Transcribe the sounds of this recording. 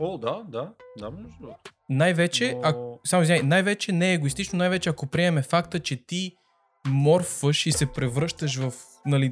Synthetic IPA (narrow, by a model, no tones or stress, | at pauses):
od̪ad̪ad̪amɔʒo | najvɛt͡ʃɛɐksamoizʲajnajvɛt͡ʃɛnɛːɡoist̪it͡ʃnonajvɛt͡ʃɛɐkopɾiɛmɛfakt̪ət͡ʃɛt̪i | mɔɾfvəʃisɛpɾɛvɾɤʃt̪əʃ̬vɐf | nɐli